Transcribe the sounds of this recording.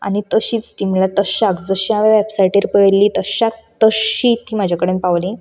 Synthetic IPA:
a̰nit̪əɕiːt͡st̪imiɭat̪əɕakd͡zəɕiaʋeʋɛpsajʈeɾpəɭlit̪əɕak̚t̪əɕit̪ːimad͡ʑʱakəɽempaʋlĩ

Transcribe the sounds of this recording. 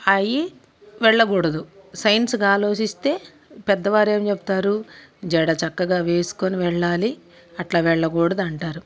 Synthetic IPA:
ɐji | ʋɛɭːɐɡɔːɽɐd̪usɐjnskaːlo̞ːt͡ʃist̪e̞ː | pɛd̪ːɐʋaːɾe̞ːmt͡ʃebu̥t̪aːɾud͡ʒɛɽɐt͡ʃɐkːɐɡaːʋe̞ːsu̥koniʋɛɭːaːli | ɐʈlaːʋɛɭːɐɡɔːɽɐd̪uɐɳʈaːɾu

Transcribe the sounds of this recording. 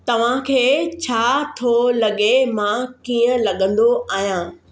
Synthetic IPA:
t̪ɐʋ̤ãkʰeːt͡ɕʰaːt̪ʰolɐɠemãkiːə̃lɐɠə̃nd̪oʔaːɦijãː

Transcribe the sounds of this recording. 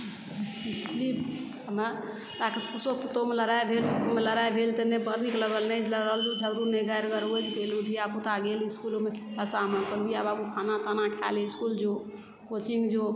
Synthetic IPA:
lib | əmə | ɾakesusoput̪omeləɾaebʱelsəmeləɾajbʱelt̪ənebəɾnikləɡəlnələɾəld̪ud͡ʒʱəɡɾuneɡaɾɡəɾued͡ʒ̪kelud̪ʱiaput̪aɡeliskulomekit̪asaməkəɾijababukʰanat̪anakʰa̰leiskuld͡ʒo | kot͡ʃiŋɡd͡ʒo

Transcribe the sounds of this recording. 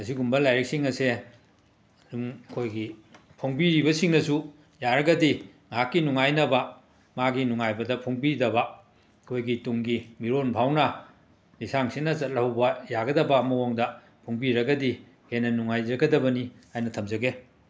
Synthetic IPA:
ŋɐs̬iɡumbɐlajɾik̚siŋɐse | umɐkʰojɡi | pʰoŋbiɾibɐsiŋnɐsu | jaɾɐɡɐdi | ŋakːinuŋajnɐbɐ | maɡinuŋajbɐdɐpʰoŋbiɾidɐbɐ | kʰojɡituŋɡimiɾonpʰawnɐ | lisaŋsinɐzɐt̚lɐhwbɐjaɡɐdɐbɐːmɐwoŋdɐ | pʰoŋbiɾɐɡɐdi | henːɐnuŋajd͡ʒɐɡɐdɐbɐniajnɐtʰɐmd͡ʒɐɡe

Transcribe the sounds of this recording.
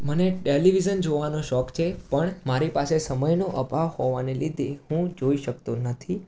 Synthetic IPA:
məneʈeliʋizənd͡ʒoʋanoʃɔkt͡ʃʰepəɳmaɾipasesəməjnoʔəbʱaʋhɔʋanelid̪ʱehũd͡ʒoiʃəkt̪onət̪ʰi

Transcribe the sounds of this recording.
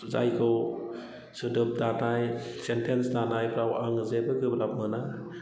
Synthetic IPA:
za̰jkʰɯw | sɯdɯp̚danajsentʰensdanajpʰɾawaŋɯzebɯkʰɯblap̚mɯna

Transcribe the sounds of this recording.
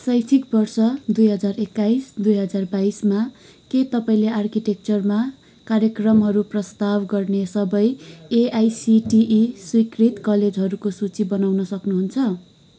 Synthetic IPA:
sʌjsʰikbʌrsʌd̪ujɦʌd͡zarekːaisd̪ujɦʌd͡zarbaisma | ket̪ʌpaĩleʔarkiʈek̚t͡sʌrma | karjʌkrʌmɦʌɾuprʌst̪abɡʌrnesʌbʌjeajsiʈiʔiswikrit̪kʌled͡zɦʌɾukosut͡sibʌnawnʌsʌknuɦunt͡sʰʌ

